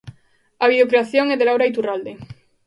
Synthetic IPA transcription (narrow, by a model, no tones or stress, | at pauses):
aβiðokɾeaθjoŋɛðelawɾait̪urald̪e